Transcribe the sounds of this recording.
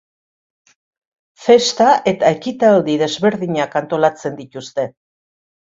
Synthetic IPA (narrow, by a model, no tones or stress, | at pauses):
fe̞st̪aʔe̞t̪aekit̪ald̪iðe̞zβe̞ɾðiɲakant̪o̞lat͡se̞nd̪it̪ust̪e̞